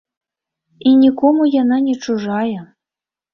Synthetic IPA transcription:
inʲikɔmujananʲet͡ʂuʐɑjə

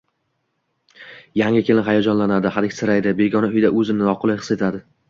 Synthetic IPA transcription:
jaŋɪkʲʰelɪnɦajad͡ʒɒnlanad̪ɪhad̪ɪkʲsɪɾajd̪ɪbe̞ɡʲɒnaʊjd̪aʔɵzɪmnɪnɒqʰʊlˠɪjχɨ̥se̞t̪ʰad̪ɪ

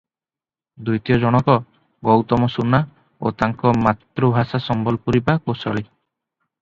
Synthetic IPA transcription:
d̪ujt̪ijɔd͡ʒɔɽ̃ɔkɔ | ɡɔwt̪ɔmɔsuna | o̰t̪aŋkɔmat̪ːɾubʱasasɔmbɔlpuɾipakosɔ̰ɭi

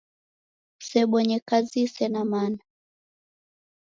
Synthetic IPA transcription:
sɛɓɔɲɛkazisɛnamana

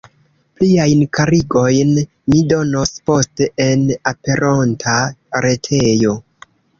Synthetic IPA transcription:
pliajnkaɾiɡo̞jn | mido̞nospo̞ste̞ʔenape̞ɾʔontʰaɾe̞tʰe̞jo̞

